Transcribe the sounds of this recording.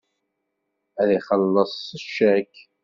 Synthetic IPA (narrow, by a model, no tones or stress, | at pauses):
æðiχəlːəsˤəʃæk